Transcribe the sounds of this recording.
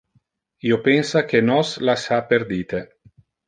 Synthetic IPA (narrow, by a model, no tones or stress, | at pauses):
iːopensakenɔslasaperd̪iːt̪e